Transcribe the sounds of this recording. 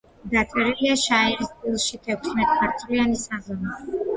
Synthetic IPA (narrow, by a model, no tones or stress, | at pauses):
d̪at̪sʼɛɾiliaʃaɛɾisp̪ʼilˠʃit̪ʰɛkʰsmɛt̪ʼpʰaɾt̪ʰʼlianisazɔna